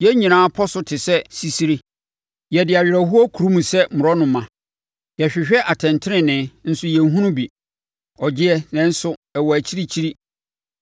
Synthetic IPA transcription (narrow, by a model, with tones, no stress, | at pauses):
jɛ˦ɲĩ˨nãː˦pʰɔ˦sʊ˦tʰɪ˨sɛ˦si˦si˦ɾi˦ | jɛ˨dɪ˨a˨ɥɪ˨ɾæ˨hu˦ɔ˦kʰu˨ɾu˦mũ˨sɛ˦mʊ̃˨ɾɔ˦nʊ̃˨mã˨ | jɛ˨ɕᶣɪ˨ɕᶣɛ˦ʔa˨tʰɛ̃˨ntʰɪ˦ɪ̃˨nɪ̃˦n̩˦sʊ˦jɛ˨n˦ɦũ˦nʊ̃˦bi˨ | ɔ˨d͡ʑɪ˦ɛ˦nɛ̃˨˦n̩˦sʊ˦ɛ˨wɔ˨æ˨t͡ɕʰi˦ɾi˦t͡ɕʰi˦ɾi˦